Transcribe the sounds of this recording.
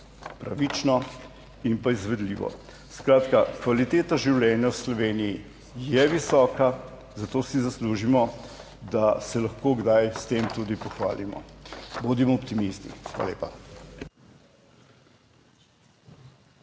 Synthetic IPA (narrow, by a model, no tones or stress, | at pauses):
pɾa̰ʋit͡ʃnɔ | impaizʋɛd̪lḭːʋɔ̰ | skɾaːt̪kakʋalit̪eːt̪aʒiwlʲɛnjawslɔʋeːniji | jɛʋisɔːka | zat̪oːsizasluːʒimɔ | d̪asɛlɐxkoːɡd̪ajst̪eːmt̪uːd̪ipɔxʋa̰ːlimɔ̰bod̪imɔːpt̪imist̪ḭxʋa̰ːljḛːpa